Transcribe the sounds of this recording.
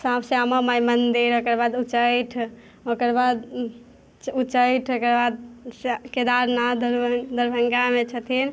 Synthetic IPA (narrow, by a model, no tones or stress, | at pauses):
sãpʰseaməmajmənd̪iɾokəɾbad̪ut͡ʃəjʈʰ | okəɾbad̪ | ut͡ʃəjʈʰokəɾbad̪̚sked̪aɾnad̪əɾd̪əɾbʱəŋɡamet͡ʃʰət̪ʰin